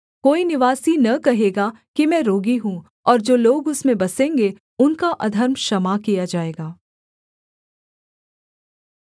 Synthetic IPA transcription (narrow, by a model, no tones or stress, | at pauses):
koːinɪʋaːsinɐkɐɦeːɡa | kimɛ̃ːɾoːɡiɦũː | ɔːɾd͡ʒoːloːɡʊsmẽbɐsẽːŋɡe | ʊnkaʔɐd̪ʱəɾmʃɐmakijad͡ʒaːeːɡaː